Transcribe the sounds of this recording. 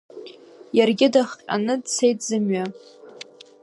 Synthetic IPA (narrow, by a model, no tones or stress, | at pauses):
jarɡʲɪdaχqʲʼa̰nɨdt͡sʰe̞jtʰzɨmɥa